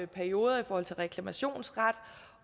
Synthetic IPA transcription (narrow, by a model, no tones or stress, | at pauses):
pʰæɐio̝ːð̞ˠɐifɒːhɒ̽l̰t͡sʰelʁɛkʰlæmæɕo̝̰ːnsʁɑ̈d̥